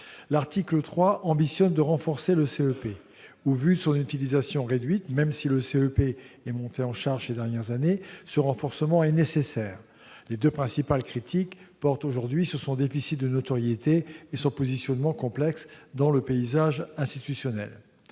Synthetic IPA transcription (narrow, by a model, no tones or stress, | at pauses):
laʁt̪iklət̪χwaʔɑ̃bisjɔnd̪əʁɑ̃fɔʁseləseøpe | uvyd̪əsɔ̃nyt̪ilizasjɔ̃ʁed̪ɥit̪mɛmsiləseøpeɛmɔ̃t̪eɑ̃ʃaʁʒsed̪ɛʁnjɛʁzanesəʁɑ̃fɔʁsəmɑ̃ɛnesesɛːʁ | led̪øpχɛ̃sipalkχit̪ʰikpɔʁt̪oʒuʁd̪ɥisyʁsɔ̃d̪efisit̪̚d̪ənot̪ɔʁjet̪eːsɔ̃pozisjɔnmɑ̃kɔ̃plɛksd̪ɑ̃ləpeizaʒɛ̃st̪it̪ysjɔnɛ̰l